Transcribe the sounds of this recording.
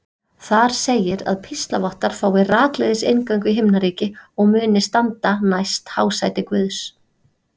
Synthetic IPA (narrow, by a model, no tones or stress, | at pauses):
θaɾ̥seːjɪɾa̰ðpʰist̪lavɔht̪aɾ̥faːwɪraːklɛðɪsejnkaɥŋkvɪɦɪmnaɾiːcɪɔɣmʏːnɪst̪ant̪anajst̪haːwsajt̪ɪkvʏːðs